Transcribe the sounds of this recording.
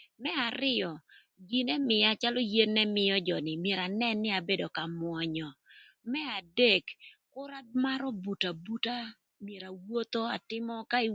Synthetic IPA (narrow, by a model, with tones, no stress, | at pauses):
mɛ˦a˨ɾɪ˦jɔ˨ | ɡi˨nɛ˦mɪ˨ja˨t͡ʃa˦lɔ˦je˦nːɛ˦mɪ˨jɔ˦d͡ʒɔ˨nɪ˨mje˨ɾa˨nɛ˦nːɪ˦a˨be˦do˨ka˨mwɔ˨ɲɔ˨ | mɛ˦a˨de˦˨kkʊ˦ɾa˦d̚ma˦ɾɔ˦bu˨ta˨bu˦ta˦ | mje˨ɾa˨wo˦t̪o˦a˨tɪ˦mɔ˦ka˦